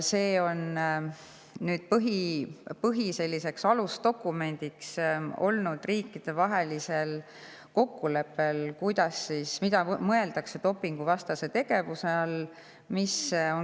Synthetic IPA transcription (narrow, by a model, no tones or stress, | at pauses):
se̞ːo̞n | nyːd̪̥̚pɤɦipɤɦise̞lʲːise̞ksɑlust̪o̞kːume̞nʲd̪̥ikso̞̰lnud̪̥riːkːid̪̥e̞vɑɦe̞lise̞l | ko̞kːule̞pːe̞lkujd̪̥ɑsːiːsmid̪ɑmɤe̞ld̪̥ɑkset̪o̞pːiŋɡ̥uvɑst̪ɑse̞t̪e̞ɡ̥e̞vuseɑl | miso̞n